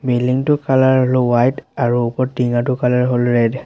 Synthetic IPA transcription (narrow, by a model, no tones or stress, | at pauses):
beliŋtʊkalaɹɦolowajtaɹuupɔɹtːiŋatʊkalaɹɦolɹɛd